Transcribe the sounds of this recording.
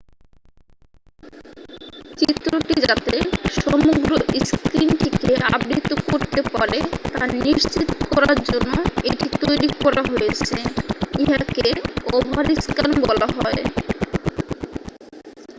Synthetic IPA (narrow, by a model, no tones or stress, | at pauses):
t͡ɕit̪ːɾoʈid͡ʑat̪eʃɔmoɡɾoʔiskɾimʈ̪ʰekeabɾit̪ːokoɾt̪epɔɾet̪aniʃt͡ɕit̪okɔɾaɾd͡ʑonːoḛʈit̪ojɾikɔɾaɦojet͡ɕʰeiɦakeɔbʱaɾiskanbɔlaɦɔe